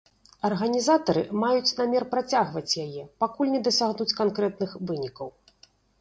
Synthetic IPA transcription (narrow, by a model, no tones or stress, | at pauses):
ɐrɣɐnʲizat̪ɐɾɨmajut͡sʲnamʲɛrpɾat͡sʲaɣvɐt͡sʲjajɛpakulʲnʲɛd̪ɐsʲaɣnut͡sʲkankɾɛt̪nɨxvɨnʲikɐw